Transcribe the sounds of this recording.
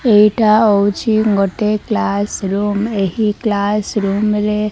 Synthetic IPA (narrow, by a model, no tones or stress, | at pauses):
eʈʰaɔwt͡ʃʰiɡɔʈeklasɾumeɦiklasɾumɾe